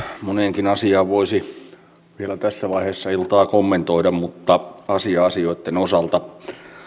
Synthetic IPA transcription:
moneŋkinɑsiɑːʋʋoisi | ʋielæt̪æsːæʋɑiheːsːɑilt̪ɑːkomːent̪oidɑmmut̪ːɑɑsiɑɑsioit̪ːenosɑlt̪ɑ

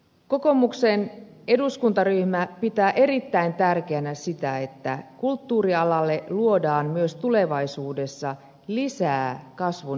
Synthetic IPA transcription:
ko̞ko̞mukse̞n | e̞duskunt̪ɑryhmæpit̪æːʔe̞ɾit̪ːæint̪ærk̟e̞ænæsit̪æe̞t̪ːæ̰kult̪ːuːriɑlɑlːe̞luo̞dɑːmmyøst̪ule̞ʋɑisuːde̞sːɑ | lisæːkɑsʋu

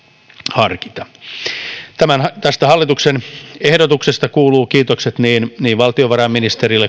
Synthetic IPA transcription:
hɑrki̥t̪ɑ | t̪æmænt̪æst̪æhɑlːit̪uksenehdot̪uksest̪ɑkuːluːkiːt̪okset̪niːnniːʋʋɑlt̪ioʋɑɾɑmːinist̪eɾilːe

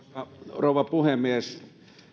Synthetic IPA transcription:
ɑroˑuʋɑpuhemies

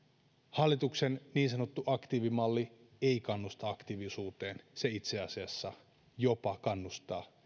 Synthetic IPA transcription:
hɑlːit̪uksenniːnsɑnot̪ːuʔɑkt̪iːʋimɑlːi | eikɑnːust̪ɑɑkt̪iʋisuːt̪e̞ːnseit̪seɑsiɑsːɑ | jopɑkɑnːust̪ɑː

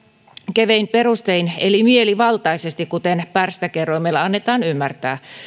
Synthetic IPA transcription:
keʋeimperust̪einelimieliʋɑlt̪ɑisest̪ikkut̪enpærst̪ækeroimelːɑɑnːet̪ɑːnymːært̪æː

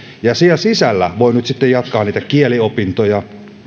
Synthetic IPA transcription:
jɑsielsisælːæ̰ʋo̞inyt̪sit̪ːejɑt̪kɑːniːt̪ækielio̞pint̪ojɑ

